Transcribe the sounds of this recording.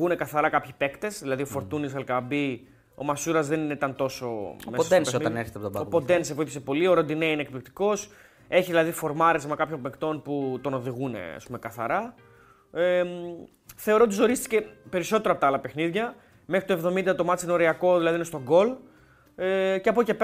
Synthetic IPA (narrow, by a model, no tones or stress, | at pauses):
une̞kɐθɐɾɐkɐpçi̥pe̞kt̪e̞sðilɐðiofo̞ɾt̪unisɐlkɐbi | o̞̰mɐsuɾɐzðe̞nineit̪ɐnt̪o̞so̞̰meosd̪ensoɐneɾçet̪ɐpot̪bɐopod̪e̞nsepuiθi̥sepo̞lioɾond̪ineinek̚plik̚t̪i̥ko̞s | e̞çiðilɐðifo̞ɾmɐɾe̞zmɐkɐpçompekt̪o̞nput̪o̞no̞ðiɣune̞̰ɐ̰spume̞kɐθɐɾɐ | θe̞o̞ɾot̪iso̞ɾist̪i̥ce̞peɾiso̞t̪eɾɐpot̪ɐɐlɐpe̞xniðʝɐ | me̞xɾi̥t̪ue̞vðo̞mind̪ɐt̪o̞mɐt̪t͡siino̞ɾeɐko̞ðilɐðiinest̪o̞ɡo̞l | eceɐpoce̞pe